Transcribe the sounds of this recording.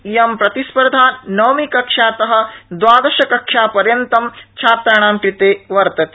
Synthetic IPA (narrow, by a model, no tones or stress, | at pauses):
jɐmpɾɐt̪ispɐɾd̪ʱaːnɐːmikɐkʂaːt̪ɐɦɐ̆d̪ʋaːd̪ɐʃɐkɐkʂaːpɐɾjɐnt̪ɐmt͡ʃʰaːt̪ɾɐɽ̃aːmkɾit̪eːʋɐɾt̪ɐt̪ː